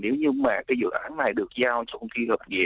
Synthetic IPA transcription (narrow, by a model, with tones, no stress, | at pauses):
ne˨˦wɲɨ˧ma̰ː˨˩kaː˨˦jzɨ̰˧˨ʔaː˨˦nːa˨˩jɗɨ˨˩ək̚zaː˧wt͡ɕɔ˧kŋ͡mki˧həː˨˩p̚ŋɛ̰˨˩